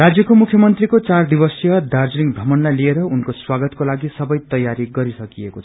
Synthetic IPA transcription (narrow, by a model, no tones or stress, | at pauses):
rad͡zjʌkomukʰjʌmʌnt̪rikot͡sard̪ibʌsjʌd̪ard͡zliŋbʱʌmʌnlajlieɾʌunkoswaɡʌt̪kolaɡisʌbʌjt̪ʌjaɾiɡʌɾisʌkiekot͡sʰʌ̥